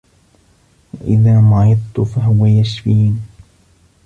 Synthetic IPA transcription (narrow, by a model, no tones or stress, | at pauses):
waʔɪðaːmaʕɪd̪ˤt̪ʊfaɦʊwajaʃfiːn